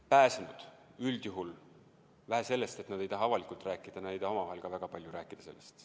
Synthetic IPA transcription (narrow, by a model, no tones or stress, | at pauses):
pæːsenud̪̥yld̪̥juɦul | væɦese̞lːest̪e̞t̪nɑd̪̥e̞jt̪ɑɦɑɑvɑlikːˑult̪ræːkːˑid̪̥ɑnɑe̞jt̪ɑhomɑvɑɦe̞lɡ̥ɑvæɡ̥ɑpɑlʲjuɾæːkːˑid̪̥ɑse̞̰lːest̪